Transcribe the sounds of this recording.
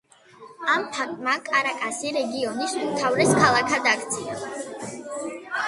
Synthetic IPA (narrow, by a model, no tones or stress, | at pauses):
ampʰat̪ʼmakʼaɾakʼasiɾɛɡiɔnisumt̪ʰavɾɛskʰalˠakʰad̪akʰt̪sʰia